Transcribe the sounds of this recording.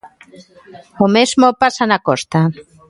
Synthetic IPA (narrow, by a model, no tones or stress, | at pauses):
omezmopasanakost̪a